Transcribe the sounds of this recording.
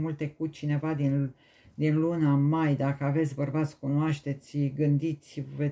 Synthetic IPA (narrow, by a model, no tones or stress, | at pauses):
mult̪e̞kut͡ʃine̞vad̪in | d̪inlunamajd̪akəave̞t̪sʲbərbat̪skunoaʃt̪e̞t̪sʲɡɨnd̪it̪sʲve